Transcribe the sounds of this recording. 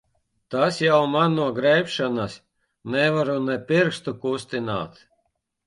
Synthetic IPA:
t̪asjawmanːuɔɡɾɛjpʃanas | nɛvaɾunɛpʲiɾkst̪ukust̪ina̰ːt̪

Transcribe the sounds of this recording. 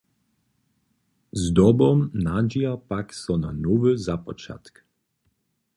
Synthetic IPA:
zd̪ɔbɔmnad͡ʒiapaksɔnanuvɨzapɔt͡ʃa̰t̪k

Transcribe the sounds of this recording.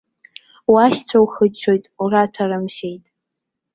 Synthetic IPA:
waʃt͡sʷʰawχət͡ʃʷʰojtʼuratʰarɨmʃe̞jtʼ

